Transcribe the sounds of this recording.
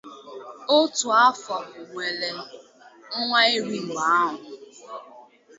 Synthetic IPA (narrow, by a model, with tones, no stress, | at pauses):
o˦tu˨a˦fa˨ʊ˨we˨le˨ | ŋ̩˦ŋʷa˦e˦ɾi˦˨ɡ͡ba˨˦ɦʊ˨